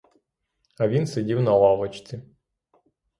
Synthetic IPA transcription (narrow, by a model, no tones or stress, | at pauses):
ɐʋʲinsɪdʲiwnɐlˠɑʋɔt͡ʃt̪t͡s̪ʲi